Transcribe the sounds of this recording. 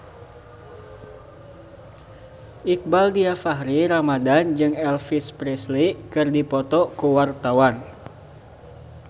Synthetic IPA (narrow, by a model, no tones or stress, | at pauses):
ʔik̚baldiafaɦɾiɾamadand͡ʒɨŋɛlfispɾɛslikɨrdipɔt̪ɔkuwart̪awan